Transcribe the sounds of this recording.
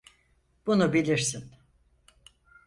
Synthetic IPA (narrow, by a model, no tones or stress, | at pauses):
b̥unubilʲiɾsin